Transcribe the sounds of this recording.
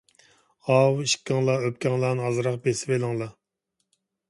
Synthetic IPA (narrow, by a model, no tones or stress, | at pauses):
ɑwiʃkʲːɪŋlˠɑøp̚kʲʰɛŋlˠɑːnɨɦɑzɾɑqbesɪvelɪŋlˠɑ